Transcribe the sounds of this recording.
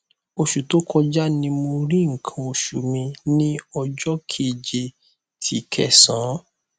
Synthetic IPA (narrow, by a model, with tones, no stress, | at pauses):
o˧ʃu˨to˦kʰɔ˧d͡ʒa˦nĩ˧mo˧ɾi˦ŋ̩˨kʰã˧o˧ʃṵ˨mĩ˧nĩ˦ɔ˧d͡ʒɔ˦kʰe˦˨d͡ʒe˧ | tʰi˨kʰɛ̰˦˨sã˨˦